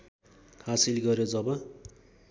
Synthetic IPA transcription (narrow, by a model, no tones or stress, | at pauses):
hasilɡʌrjod͡zʌbʌ